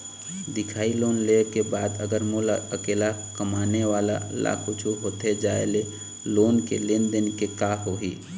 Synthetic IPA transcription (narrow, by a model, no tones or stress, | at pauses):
d̪ɪkʰaːiloːnlekebaːd̪əɡəɾmolaəkeːlakəmaːneʋaːla̰la̰ːkʰut͡ʃʰuɦoːt̪ed͡ʒaːḛle | loːnkeleːnd̪ɪnkekaːɦoɦiː